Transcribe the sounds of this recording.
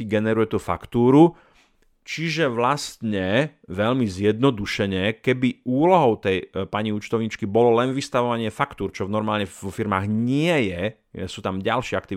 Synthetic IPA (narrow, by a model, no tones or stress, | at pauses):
iɡɛnɛɾujɛt̪uːfa̰kt̪uːɾu | t͡ʃiʒɛʋlast̪ɲɛʋɛʎmizjɛd̪̚nɔd̪uʃɛɲɛkɛbiuːlɔɦɔʊt̪ɛjpaɲiut͡ʃt̪ɔʊɲit͡ʃkibɔlɔlɛnʋist̪aʋɔʋaɲɪɛfakt̪uːɾt͡ʃɔvnɔɾmaːlɲɛʋɔfiɾmaːɣɲɪɛjɛ̰ | suːt̪amɟalʃɪɛak̚t̪i